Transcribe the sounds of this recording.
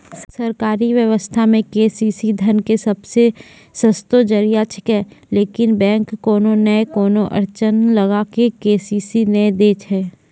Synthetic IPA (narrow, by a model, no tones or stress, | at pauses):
sɐɾkaːɾiʋjəʋəst̪ʰamẽkeːsiːsid̪ʱənkesɐbse | səst̪od͡ʒəɾijat͡ʃʰɪ̥kɛːleːkɪnbɛ̃ːŋkːoːnonəekoːnoʔə̰ɾt͡ʃənlɐɡakekeːsiːsinəed̪eːt͡ʃɦɛː